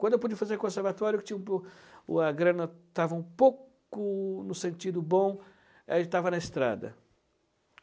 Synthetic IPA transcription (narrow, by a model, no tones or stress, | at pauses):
kwɐ̃d̪ʊewp̬ud͡ʒiɐfazeɾkõseɾvat̪ɔɾjʊkɪ̥t͡ʃĩɐ̃ | ɐɡɾɐ̃nɐt̪avɐũpowk | ʊnʊsẽnt͡ʃid̪ʊbõ | ḛlt̪avɐnɐest̪ɾa̰d̪ɐ̰